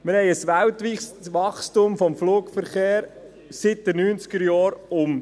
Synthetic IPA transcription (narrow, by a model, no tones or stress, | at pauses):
mɪɾhɛɪəsʋæltʋiːssʋɑχstʊmfɔmfluːkfəɾχeːɾ | sɪt̚d̪̥ɛnyːnt͡skəɾjɑːɾʊm